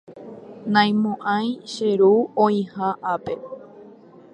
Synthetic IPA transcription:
nãj̃mõʔãj̃ʃeɾuõĩhaʔape

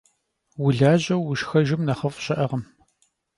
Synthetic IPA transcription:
wʊɮaːʑɐwːʊʃxɐʒɪmnɐχɐfɕʼɐʔɐʁɐm

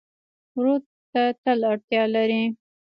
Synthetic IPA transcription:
wɾu | t̪at̪əlaɽt̪jɑlaɾi

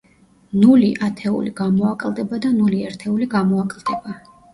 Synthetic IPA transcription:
nuliʔat̪ʰɛṵliɡamɔakʼld̪ɛbad̪anuliɛɾt̪ʰɛuliɡamɔakʼlˠd̪̥ɛba

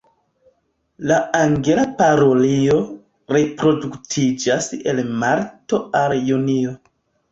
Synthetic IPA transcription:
laaŋɡe̞lapaɾo̞lio̞ | ɾepɾo̞duktʰid͡ʒase̞̰lmaɾto̞aljunio̞

